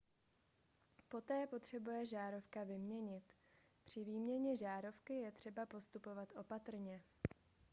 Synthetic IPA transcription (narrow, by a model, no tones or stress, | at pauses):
po̞t̪ɛːpo̞t̪r̝̥ɛbujɛʒaːɾo̞fkavɪmɲɛɲɪt̪ | pr̝̥ɪviːmɲɛɲɛʒaːɾo̞fkɪjɛt̪r̥ɛbapo̞st̪upo̞vat̪ʔo̞pat̪r̩ɲɛ